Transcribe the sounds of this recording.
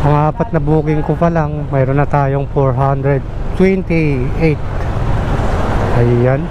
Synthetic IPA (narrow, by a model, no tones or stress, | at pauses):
pɐŋaːpɐt̪̚nɐbuːkɪŋkopɐlaŋmɛːɾonːɐt̪aːjo̞ŋfoɹɦand̪ɾɛd̪̚ | t̪wɛnt̪ɪʔejt̪ | ʔɐjːan